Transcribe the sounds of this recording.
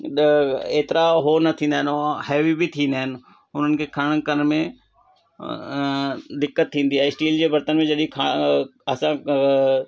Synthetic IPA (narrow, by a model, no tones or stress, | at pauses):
eːt̪ɪɾaɦonɐt̪ʰĩːn̆d̪aɦɪnoɦɛːʋibit̪ʰĩːnd̪aːɦɪnɪ̆ | ʊn̤ənɪ̆kʰekʰɐɽ̃kəɾmẽ | d̪ɪkːət̪ʰːĩːnd̪iaːesʈiːld͡ʑeːbɐɾt̪ənmẽd͡ʒɐɗĩkʰaɐsã